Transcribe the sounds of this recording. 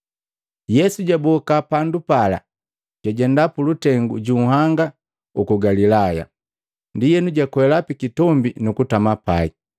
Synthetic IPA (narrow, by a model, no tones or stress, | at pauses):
jɛsuɟabɔkapandupala̰ | ɟ̥aɟɛndapulutɛŋɡṵɟuhaŋɡa | ukuɡalilaja̰ | ndijɛnuɟakwɛlapikitɔmbinukutamapai